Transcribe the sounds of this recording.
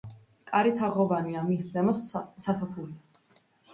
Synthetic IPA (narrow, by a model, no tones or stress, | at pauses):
kʼaɾit̪ʰaʁɔvaniamiszɛmɔssat̪ʰapʰuli